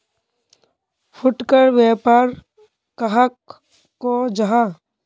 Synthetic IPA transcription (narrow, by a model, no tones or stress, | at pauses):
pʰʊʈkəɾweːpaːɾ | kəɦəkː | od͡ʒɐɦa